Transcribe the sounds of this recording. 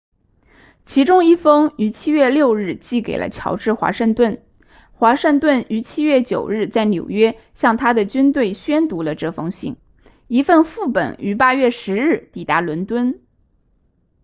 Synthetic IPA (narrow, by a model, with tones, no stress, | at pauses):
t͡ɕʰi˧˥ʈ͡ʂʊ˥ŋi˥˩fɤ˥ŋy˧˥t͡ɕʰi˥ɥɛ˥˧ljo˥˧ʊɻɻ̩˥˧t͡ɕi˥˩ke˨˩ɪlə̰˦t͡ɕʰjɑ˧˥ʊʈ͡ʂɻ̩˥˩xwa̰˧˥ʂɤ˥˧ŋt̪wə˥˩n | xwa˧˥ʂɤ˥˧ŋt̪wə˥˩ny˧˥t͡ɕʰi˥ɥɛ˥˩t͡ɕjo˨˩ʊɻɻ̩˥˧t͡sa˥˩ɪnjo˨˩ʊɥɛ˥ | ɕjɑ˥˩ŋt̪ʰa˥d̪ə˨t͡ɕy˥nt̪we˥˩ɪɕɥɛ˥nt̪u˧˥lə˧ʈ͡ʂɤ˥˩fɤ˥ŋɕḭ˥˩ŋ | i˧˥fə˥˧nfu˥˩pə̰˨˩˦ny˧˥pa˥ɥɛ˥˩ʂɻ̩˧˥ɻɻ̩˥˩t̪i˨˩t̪a˧˥lwə˧˥nt̪wə˥n